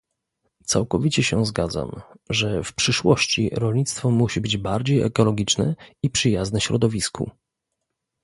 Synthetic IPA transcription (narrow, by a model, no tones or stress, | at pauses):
t̪sawkɔvʲit͡ɕɛɕɛzɡad̪za̰mʐɛfpʂɘʂwɔɕt͡ɕḭɾɔlɲit̪st̪fɔmuɕibɘd͡ʑbaɾd͡ʑejɛ̰kɔlɔɡʲit͡ʂnɛ̰ipʂɘjaznɛɕɾɔd̪ɔvʲiskṵ